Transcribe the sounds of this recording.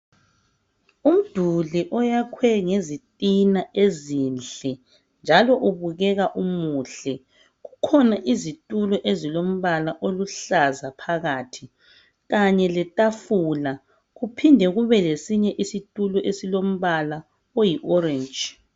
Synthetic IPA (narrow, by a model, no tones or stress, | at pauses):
um̩d̥ʱuliʔɔjakʰwɛŋezitʼinaezinɬɛ | nd͡ʒʱalɔʔuβuɣɛɣaʔumuɬɛ | ɣukʰɔnaʔizitʼulɔʔezilom̩βalaʔoluɬazapʰaɣaːtʰi | ɣaɲɛlɛtʼafula | ɣupʰindʱɛɣuβɛlesiɲɛʔisitʼulɔʔesilom̩βala | ojiʔɔrɛnd͡ʒ